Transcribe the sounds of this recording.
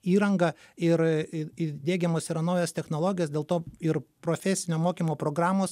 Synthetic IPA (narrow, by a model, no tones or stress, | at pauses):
iːɾɐŋɡɐɪɾɪɪd̪ʲeːɡʲɛmoːsɪɾɐnɐʊjɛst̪ʲɛxnoːlˠoːɡʲɪjoːsd̪ʲeːlˠt̪oːɪɾpɾoːfʲɛsʲɪnʲoːmoːkʲiːmoːpɾoːɡɾɑːmoːs